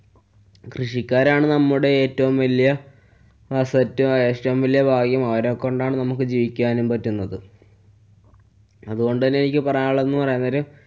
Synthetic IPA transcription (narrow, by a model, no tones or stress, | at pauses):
krɨʂikʲːaːɾaːɳɨnɐmːuɽe̞eːtːɐʋumʋɐlijɐ | sɐtːueːtːɐʋumʋɐlːijɐbʱaːɡjɐmɐʋɐɾeokːoɳɖaːɳɨnɐmukːɨd͡ʑiːʋikʲːuaːnumpɐtːunːɐðɨ | ɐðuɣo̞ɳɖɨt̪ɐnːenikʲːɨpɐrɐjaːɭːe̞nːɨpɐrɐjunːɐɾu